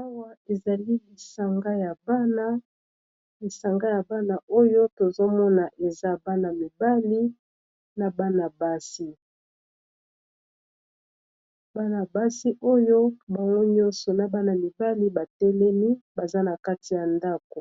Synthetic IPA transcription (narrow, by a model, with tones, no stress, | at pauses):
a˦wa˦e˨za˨li˦li˨sa˦ŋɡa˦ja˨ba˦na˦ | li˨sa˨ŋɡa˦ja˨ba˦na˨o˦jo˦to˨zo˦mɔ˦na˨ʔe˨za˦ba˦na˨mi˨ba˦li˦ | na˨ba˦na˨ba˦si˦ | ba˦na˨ba˦si˦ʔo˦jo˦ba˨ŋɡo˦ɲɔ̃˦nsɔ˨na˨ba˦na˨mi˨ba˦li˦ba˨tɛ˦lɛ˦mi˦ba˨za˦na˨ka˦ti˨ja˨nda˦ko˨